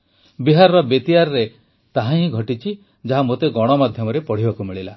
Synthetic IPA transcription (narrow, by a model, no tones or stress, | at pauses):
biɦaɾɔɾɔbet̪iaɾɔɾe | t̪aɦãɦĩɡʱɔʈit͡ʃʰi | d͡ʒaɦamot̪eɡɔɽ̃ɔmad̪ʱjɔmɔɾepɔɽ̤ibakumiɭila